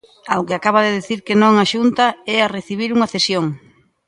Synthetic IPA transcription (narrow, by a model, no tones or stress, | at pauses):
awkɪakaβ̞aðeðiθiɾkenõŋaʃunt̪aɛareθiβ̞iɾuŋɐθesjoŋ